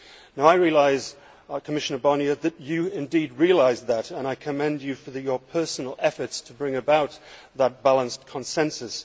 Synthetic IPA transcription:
naʊaɪɹiəlaɪz | kʰəmɪʃənə˞bɑniəðɨt͡ʃɨɪ̃ndid̚ɹiəlaɪzðəɾə̃ñaɪkʰɨmɛ̃nd͡ʒɨfə˞jə˞pʰɜ˞sn̩l̩ˠɛfə˞tstʰəbɹɪ̃ŋɨbaʊt̪̚ | ðət̚b̥ælˠə̃nskʰə̃nsɛ̃nsɨs

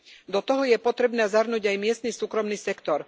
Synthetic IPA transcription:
d̪ɔt̪ɔɦɔjɛpɔt̪ɾɛbnɛːzaɾnuːɟajmɪɛst̪nisuːkɾɔmniːsɛkt̪ɔɾ

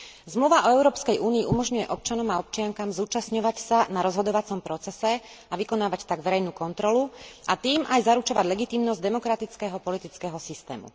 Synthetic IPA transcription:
zmluʋaʔɔɛʊɾɔːpskɛjʔuːniːʔumɔʒɲujɛʔɔp̚t͡ʃanɔmaɔpt͡ʃɪaŋkaːmzuːt͡ʃasɲɔʋacsanaɾɔzɦɔd̪ɔʋat͡sɔmpɾɔt͡sɛsɛaʋikɔnaːʋact̪aɡʋɛɾɛjnuːkɔnt̪ɾɔluʔat̪iːmajzaɾut͡ʃɔʋaɟlɛɡit̪iːmnɔzɟd̪ɛmɔkɾat̪it͡skɛɦɔpɔlit̪it͡skɛːɦɔsist̪ɛ̰ːmṵ

